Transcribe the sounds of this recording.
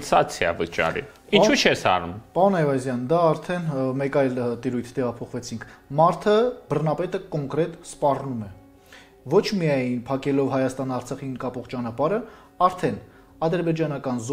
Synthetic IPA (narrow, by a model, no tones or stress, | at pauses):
sɑt͡sʰjɑ̰vət͡ʃɑ̰ɾḭint͡ʃʰut͡ʃʰɛsɑ̰ɾumpɑɾunɛjvɑzjɑnd̪ɑːɾt̪ʰɛnmɛkɑjlt̪iɾujt̪ʰt̪ɛʁɑpʰɔχvɛt͡sʰiŋkʰmɑɾt̪ʰəbərnɑpɛt̪əkɔŋkɾɛt̪spɑrnumɛ | vɔt͡ʃʰmijɑjnpʰɑkɛlɔvɦɑjɑst̪ɑnɑɾt͡sʰɑχinkɑpɔχt͡ʃɑnɑpɑɾə | ɑɾt̪ʰɛn | ɑd̪əɾbɛd͡ʒɑnɑkɑnz